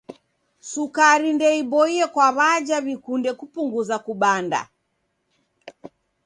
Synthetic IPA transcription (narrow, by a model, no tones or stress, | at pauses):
sukaɾindɛibɔiɛkwaβad͡ʒaβikundɛkupuŋɡuzakuɓanda̰